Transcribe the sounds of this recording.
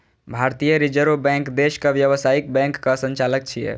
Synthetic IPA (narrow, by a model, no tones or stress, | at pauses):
bʱaɾt̪ijəɾid͡ʒəɾobɛ̃ŋkd̪eʃkaʋjəʋəsaik̚bɛ̃ŋkːasə̃ɲt͡ʃalək̚t͡ʃʰijɛ̰